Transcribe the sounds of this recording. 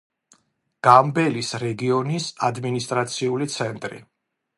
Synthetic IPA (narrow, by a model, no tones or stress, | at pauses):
ɡ̥ambɛlisɾɛɡiɔnisad̪minist̪ʼɾat̪sʰiulit̪sʰɛnt̪ʼɾḭ